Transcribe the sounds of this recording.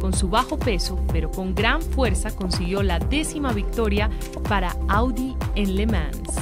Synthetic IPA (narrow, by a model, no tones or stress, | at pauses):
ko̞nsuβaxo̞pe̞so̞pe̞ɾo̞ko̞ŋɡɾaɱfwe̞ɾsako̞nsiɣjo̞laðe̞simaβik̚t̪o̞ɾja | paɾaawd̪ienle̞mãn